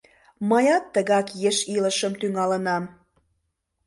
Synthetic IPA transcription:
məjɑt̪ːəɣɑkjeʃiləʃəmt̪yŋɑlənɑm

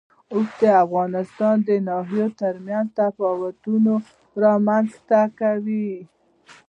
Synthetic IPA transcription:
osd̪əafɣɑnɪst̪ɑnd̪ənɑɦijot̪əɾmjanzt̪apɑwat̪uno | ɾɑmanzt̪akawi

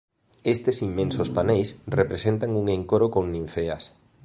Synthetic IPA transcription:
est̪esimːẽnsospanejsrepɾesent̪aŋuŋeŋkoɾokoŋnĩɱfeɐs

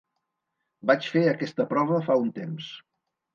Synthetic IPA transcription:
bat͡ʃfeəkɛst̪əpɾɔβəfaunt̪ems

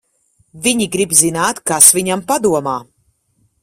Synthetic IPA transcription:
viɲiɡɾibzinaːt̪kasviɲampad̪uɔmaː

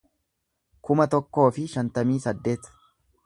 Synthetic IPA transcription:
kʊmɐt̪ɔkːo̞ːfɪʃɐnt̪ɐmiːsɐd̪ːe̞ːt̪

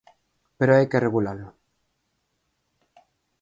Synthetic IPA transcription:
peɾoajkereɣulalo

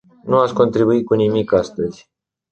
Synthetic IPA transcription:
nuat̪sko̞nt̪ɾibuit̪̚kunimikast̪əz̥ʲ

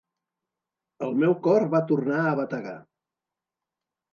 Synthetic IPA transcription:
əlˠmɛwkɔrβat̪urnaəβət̪əɣa̰

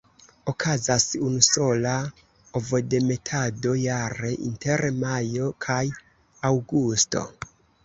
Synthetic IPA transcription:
o̞kʰazasunuso̞la | ovo̞de̞me̞tʰado̞jaɾe̞ʔḭnte̞ɾmajo̞kʰaj | awɡusto̞̰

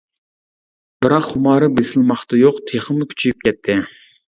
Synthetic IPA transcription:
bɪɾɑqhumɑːɾɨbesɪlmɑχt̪ɨjoqt̪ʰeχɨmːukʲʰy̥t͡ʃʰijyp̚kʲɛt̪ʰːɪ

